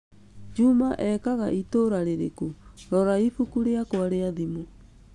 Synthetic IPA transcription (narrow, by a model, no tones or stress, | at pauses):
d͡ʒumaʔɛkaɣaʔitoɾaɾeɾḛkuɾɔɾaifukuɾeakoaɾeaðimo